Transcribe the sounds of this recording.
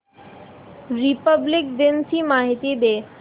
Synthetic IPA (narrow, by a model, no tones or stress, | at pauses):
ɾipəblɪk̚d̪ɪnsimaːɦɪt̪id̪eː